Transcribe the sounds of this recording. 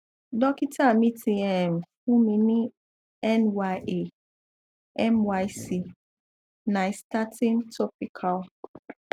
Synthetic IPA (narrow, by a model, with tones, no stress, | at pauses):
dɔ˦ki˦tʰa˦˨mi˦tʰi˨ɛ˨m˨fu˦mĩ˨nĩ˦ | ɛ˦nwa˦jʔe˨ | ɛ˦mwa˦jsi˦ | nã˨sta˦tĩ˦ntʰɔ˦pi˦kʰa˨l